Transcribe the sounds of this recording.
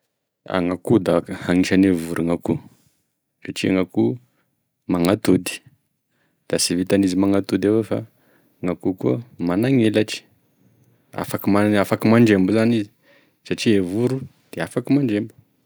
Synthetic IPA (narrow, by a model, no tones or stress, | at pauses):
a̰ŋakud̪ahaŋiʃanevuɾuŋaku | saʈ͡ʂiaŋaku | maŋat̪ud̪i̥ | d̪̥asivit̪anizimaŋat̪ud̪awefa̰ | ŋakukuəmanaŋelaʈ͡ʂi̥ | a̰fakimaafakimaɳɖ͡ʐembuzanizi | saʈ͡ʂievuɾu | d̪̥eafakimaɳɖ͡ʐembu̥